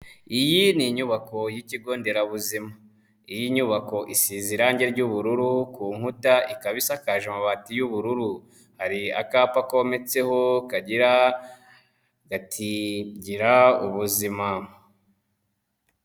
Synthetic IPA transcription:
ijiniɲuβako̞jiciɡo̞ːnde̞ɾaβuzima | ijiɲuβako̞ʔisiziɾaɲɟe̞ɾɟuβuɾuɾukuːŋ̥utaʔikaβisakaʒamaβatijuβuɾuɾu | haɾia̰kaːpakome̞t͡se̞ho̞kaɟiɾa | ɡatʰiɟiɾauβuzima

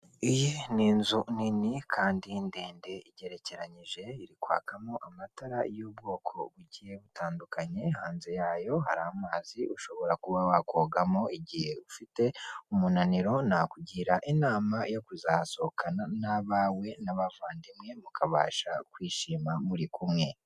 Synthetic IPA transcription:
ijeniːnzuninikʰaːndindeːndeiɟe̞ɾe̞ce̞ɾaɲiʒe̞iɾikwa̰ːkʰamo̞ʔamataɾa̰jobɡo̞ːkʰo̞̰βuɟijeβutaːndukʰaɲe̞haːnzejaːjo̞ɦa̰ɾaamaːziʔuʃo̞βo̞ɾakuβawakoːɡamoiɟihe̞ufite̞umunaniɾo̞nakuɟiɾaʔinaːmajo̞kuzaːso̞hokʰananaβawe̞naβavaːndimŋe̞mukʰaβa̰ːʃakwiːʃiːmamuɾikʰumŋe̞

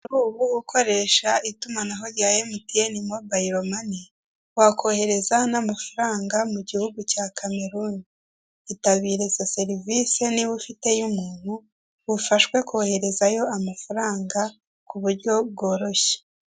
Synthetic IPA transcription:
ɾuːβuwukʰo̞ɾe̞ʃaitumanaɦo̞ɾjaːjemitienimobaiɾo̞mani | wakʰo̞he̞ɾe̞zanamafuɾaːŋɡamuɟihuɡucaːkʰame̞ɾuni | itaβiːɾe̞zase̞ɾiviseniβufite̞jumuːn̥hu | βufaʃwe̞koːhe̞ɾe̞zajo̞amafuɾaːŋɡa | kuβuɾɟo̞b̚ɡoːɾo̞çe̥

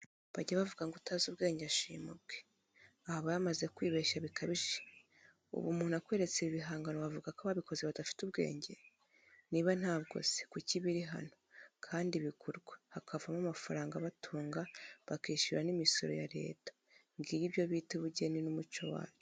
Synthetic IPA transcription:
βaɟaβavuɡaŋɡutaːzuβɡe̞ːɲɟeaʃḭːmubɡe | ahaβajamazekwiːβeːʃaβikʰaβiʒe | ṵβumuːn̥akwe̞ːɾe̞t͡seβiβiɦaːŋɡanoβavuɡakaβaβiko̞zeβadafi̥tuβɡe̞̰ːɲɟe̞ | niβan̥haːβɡo̞̰ze̥kuciβiɾiɦa̰nokʰaːndiβikʰuɾɡwḁhakʰavamamafaɾaːŋɡaβatʰuːŋɡaβakiːʃiɾanimiso̞̰ɾo̞̰ja̰ɾḛːtḁ | ŋɡiɾiβjo̞βiːteβuɟe̞ninumut͡ʃo̞wa̰ːt͡ʃo

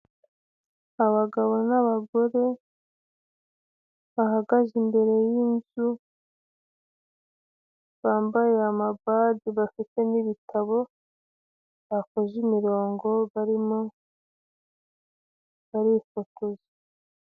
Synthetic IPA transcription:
aβaɡaβo̞naβaɡo̞ɾe̞ | βahaɡaʒimbe̞ɾe̞jinzu | βaːmbajeamabadiβafite̞niβitʰaβo̞ | βako̞ʒimiɾo̞ːŋɡo̞βaɾimo | βaɾifotoze

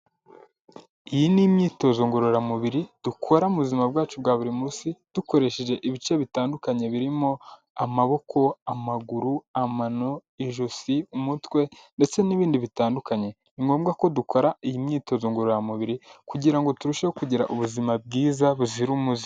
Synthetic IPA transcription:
ijinimɲiːto̞zoŋɡoɾoɾamuβiɾid̥ukʰo̞ɾauβuzimab̚ɡaːt͡ʃubwaːβuɾimusid̥uko̞ɾe̞ʃe̞ʒe̞ʔiβit͡ʃe̞βitaːndukaɲe̞βiɾimo̞ | amaβo̞kʰo̞amaɡuɾuamanoiʒusiumutwe̞nde̞t͡se̞niβiːndiβitaːndukaɲe̞ | iŋɡo̞ːmɡako̞dukʰo̞ɾaijimɲiːto̞zoŋɡoɾoɾamuβiɾikuɟiɾaŋɡo̞tuɾuʃehokuɟiɾa̰ʔuβuzimab̚ɡiːzaβuziɾumuzi

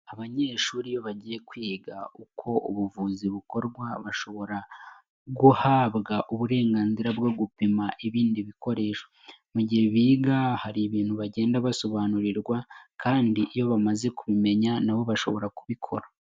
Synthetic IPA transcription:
aβaɲe̞ːʃuːɾijo̞βaɟiːje̞kwiːɡaukʰo̞ʔuβuvuːziβuko̞ɾɡwaβaʃo̞βo̞ɾa | ɡuhaːβɡaʔuβuɾe̞ːŋɡaːnziɾabɡo̞ɡupimaʔiβiːndiβiko̞ɾe̞ːʃo̥ | muɟihe̞βiːɡahaɾiβiːnhuβaɟe̞ːndaβaso̞βaːnuɾiɾɡwakaːndiʔijo̞βamaze̞kuβime̞ɲanaβo̞βaʃo̞̰βo̞ɾakuβikʰo̞̰ɾa

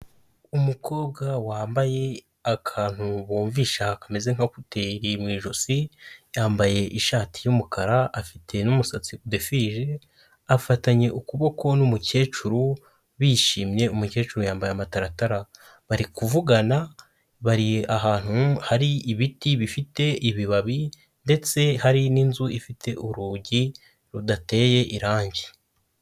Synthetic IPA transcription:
umuko̞ːbɡawaːmbaje̞ | akʰaːn̥huβoːɱviːʃakamezeŋ̥hakuteɾimwiːʒo̞sijaːmbaje̞ʔiʃaːti̥jumukaɾaʔafitʰe̞numusat͡siude̞fiʒe̞ | afataɲe̞ʔukuβo̞ko̞numuce̞ːt͡ʃuɾu | βiːʃiːmɲe̞umuce̞ːt͡ʃuɾujaːmbajeamataɾataɾa | βaɾikuvuɡana | βaɾiaɦaːn̥huhaɾiiβitiβifite̞iβiβaβi | nde̞t͡se̞haɾininzuʔifitʰe̞ʔuɾuɟi | ɾudate̞ːje̞ʔiɾaːɲɟi

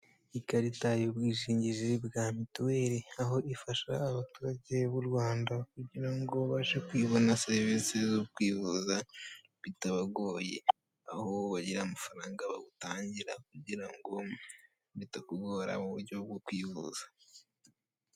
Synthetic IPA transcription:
ikaɾitajobwiːʃiːɲɟiʒebɡamituweːɾeaɦo̞ʔifaʃa̰ːβatuːɾaɟe̞βuɾɡwaːndak̚uɟiɾaŋɡo̞βaʃekwiːβonaseβesezok̚kwiːβuza | βitaβaɡoːjḛ | ahoβaɟiɾaːmafaɾaːŋɡaβa̰ɡutaːɲɟiɾak̚uɟiɾaŋɡo | βitakuɡoːɾa̰βuβuɾɟobɡokwiːβṵza

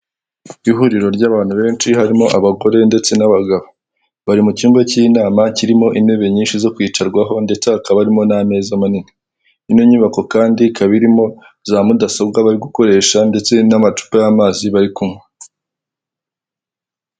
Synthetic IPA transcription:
iɦuɾiɾo̞ɾɟaːβaːnhuβe̞ːnʃiɦaɾimo̞ʔaβaɡo̞ɾe̞nde̞t͡se̞naβaɡaβo | βaɾimucuːmbacinaːmaciɾimo̞ʔine̞βe̞ɲiːnʃizo̞kwiːt͡ʃaɾɡwaɦo̞nde̞t͡seakaβaɾimo̞name̞ːzamanini | inoɲiβako̞kaːndikaβiɾimo̞ | zaːmudasob̚ɡaβaɾiɡuko̞ɾe̞ːʃande̞t͡se̞namat͡ʃu̥pojamaːziβaɾikumŋwe

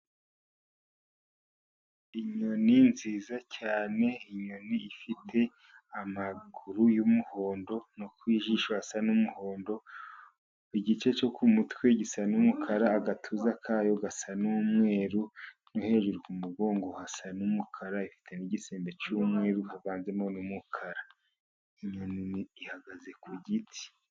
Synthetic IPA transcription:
iɲoninziːzacaːne̞iɲo̞niːfitʰe̞ | amaɡuɾujumuho̞ːndo̞nokwiːʒiːʃohasanumuho̞ːndo̞ | iɟit͡ʃe̞t͡ʃo̞kumutwe̞ɟisanumukʰaɾaːɡatʰuːzakʰaːjo̞ɡasanumŋe̞ːɾu | nohe̞ːʒuɾukumuɡo̞ːŋɡo̞hasanumukʰaɾaifi̥tʰe̞niɟiseːmbet͡ʃuːmŋe̞ːɾuhaβaːnze̞monumukʰaɾa | iɲoniiihaɡaze̞kuɟitʰi̥

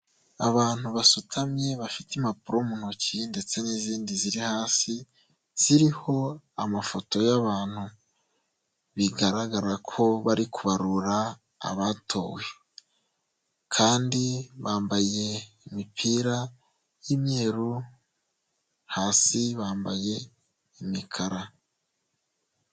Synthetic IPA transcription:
aβaːn̥huβasutʰamɲe̞βafitimapuɾomun̥hocinde̞t͡se̞niziːndiziɾihaːsi | z̥iɾiho̞ | amafo̞to̞jaβaːn̥hu | βiɡaɾaɡaɾakʰo̞βaɾikuβaɾuɾa | a̰βatʰo̞ːwe | kʰaːndiβaːmbaje̞imipʰiːɾa | jimɲe̞ːɾu | haːsiβaːmbaje̞ | imikʰaɾa

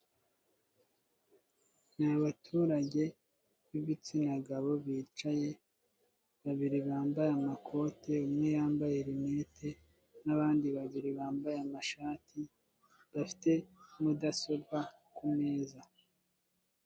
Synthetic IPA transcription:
naaβatʰuːɾaɟe̞ | βiβit͡sinaɡaβo̞βiːt͡ʃaje̞ | βaβiɾiβaːmbajamakʰo̞ːte̞umŋe̞jaːmbajeɾimetʰe̞ | naβaːndiβaβiɾiβaːmbajeamaʃaːtʰi | βafi̥te̞mudaso̞bɡa | kume̞ːza

